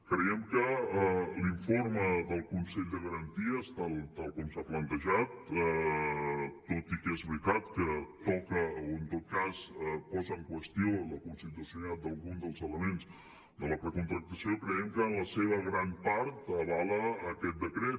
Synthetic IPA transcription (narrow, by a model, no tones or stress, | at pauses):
kɾəjɛmkə | liɱfoɾməðəlˠkunsɛʎd̪əɣəɾənt̪iəst̪alˠt̪alˠkɔmsaplənt̪əʒat̪ | t̪ːot̪ikɛzβɾit̪at̪kət̪ɔkəoənt̪ot̪̚kaspɔzəːŋkwəst̪ioləkunsit̪usjunat̪̚d̪əlˠɣund̪əlˠzələmens | d̪ələpəkunt̪ɾək̚t̪əsiokɾəjɛmkəːnləseβ̞əɣɾampaɾt̪əβaləːkɛt̪̚d̪əkɾɛ